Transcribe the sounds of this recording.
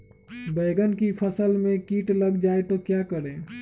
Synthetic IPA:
bɛːɡənkipʰəsəlmẽkiːʈləɡd͡ʒaːet̪okjaːkəɾeː

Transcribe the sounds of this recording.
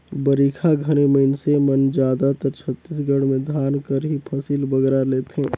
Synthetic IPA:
bəɾiːkʰaɡʱəñeməɪnsemənd͡ʒaːd̪at̪əɾt͡ʃʰət̪ːiːs̬ɡəɽmẽd̪ʱaːnkəɾɦipʰəsiːlbəɡɾaleːt̪ɦɛ̃ː

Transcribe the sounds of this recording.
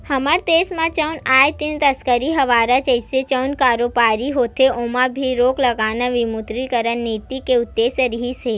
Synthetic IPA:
hɐməɾt̪eːsmãt͡ʃəwnaːjt̪int̪ɐskəɾiɦɐʋaːɾat͡ʃəɪset͡ʃɐwnkaːɾoːpaːɾiɦoːt̪ʰeoːmãbʱiɾoːklɐɡaːnaʋimut̪ɾikəɾənːiːt̪ikeʊt̪ːeːsəɾiɦise

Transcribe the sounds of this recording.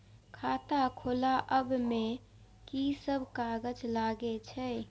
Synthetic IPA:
kʰaːt̪akʰoːlaʔəbmẽ | kisəbʱkaːɡəd͡ʒlaːɡet͡ʃʰɛː

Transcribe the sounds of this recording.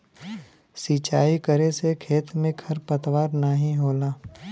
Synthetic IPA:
siːt͡ʃaːikəɾesekʰeːt̪mẽkʰɐɾpət̪waːɾnaɦĩɦoːlaː

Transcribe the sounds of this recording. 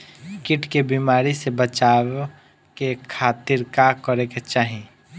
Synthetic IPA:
kɪʈkebimaːɾisebət͡ʃaːw | kekʰaːt̪ɪɾkakəɾeket͡ʃaːɦĩ

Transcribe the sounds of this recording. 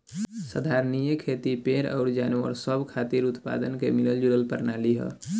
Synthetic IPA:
səd̪ʱaɾnijəkʰet̪ipeɾɔ̰ːɾd͡ʒaːnwə̰ɾsəbʱkʰat̪iɾut̪pa̰d̪ənkḛmiləld͡ʒuɾəlpəɾnaliɦə̰

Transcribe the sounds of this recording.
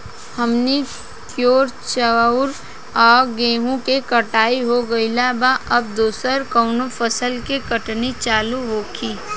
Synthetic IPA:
həmni | pʰjoːɾt͡ʃəʊɾ | ɔːɾɡẽːɦũkekɐʈaːiɦoɡɐilaːbaʔɐb̚d̪oːsəɾkɔːnofəsəlkekəʈnit͡ʃaːluɦoːkiː

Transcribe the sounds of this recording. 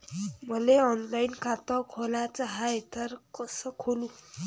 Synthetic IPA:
bʱʌleʌnlajnkʰat̪ʌkʰolat͡saɦaet̪ʌɾkʌsʌkʰolũ

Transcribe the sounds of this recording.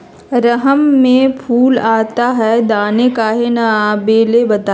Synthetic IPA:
ɾəɦəmːẽpʰuːlaːt̪aɦɛd̪aːnekaːɦenɐːbeːlebɐt̪aː

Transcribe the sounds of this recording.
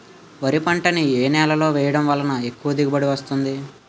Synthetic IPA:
ʋɐɾipɐɳʈɐnieːnɛːlɐlo̞ːʋɛːjɐɽɐmʋɐːlːɐnɐe̞kːuʋɐd̪iɡɐbɐɽiʋɐst̪und̪i

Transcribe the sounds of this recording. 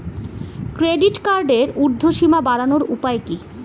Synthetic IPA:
kɾeɖiʈkaɾɖeɾuɾd̪ʱːoʃimabaɾanoɾupaeki

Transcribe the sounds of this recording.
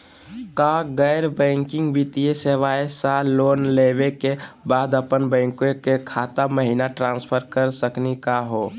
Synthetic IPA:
kaɡɛɪɾbɛ̃ːŋkɪ̃ŋɡbit̪ieseʋaesaloːnlewekebaːd̪əpənbɛ̃ːŋkekekʰaːt̪aməɦinaʈɾãːnspʰəɾkəɾsəknikaɦoː

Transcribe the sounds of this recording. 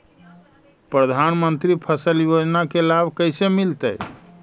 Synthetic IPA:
pɾəd̪ʱanmənt̪ɾipʰəsəljod͡ʒnakelabʱkəjsemilt̪əj

